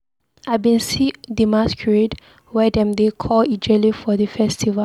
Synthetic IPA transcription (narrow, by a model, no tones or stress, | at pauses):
ajbĩnsidimaskʰɹed | wɛdɛ̃mdekʰɔlid͡ʒəlifɔdəfɛstʰiva